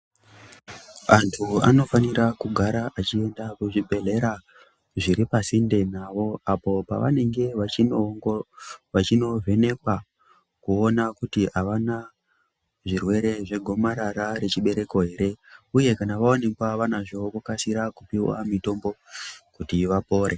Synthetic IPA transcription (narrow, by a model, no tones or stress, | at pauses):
antʰua̰no̞faniɾakuɡʱaɾaʔat͡ʃie̞ndakuʐibʱe̞ɮe̞ɾa | ʐiɾipasinde̞naʋo̞apo̞pa̰ʋa̰ne̞ŋɡe̞ʋainoŋɡoʋat͡ʃino̞ve̞ne̞kwa | kuo̞nakutiaʋana | ʐirwe̞ɾe̞ʐe̞ɡʱo̞maɾaɾaɾe̞t͡ʃiɓe̞ɾe̞ko̞ɦe̞ɾe̞uje̞kanaʋaonekwaʋanaʐo̞kokasiɾakupiwa̰mito̞mbo̞kutiʋapo̞ːɾʔe